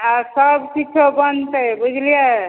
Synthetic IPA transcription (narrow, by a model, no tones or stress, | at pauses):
asəbsitʰobənt̪əbud͡ʒʱlije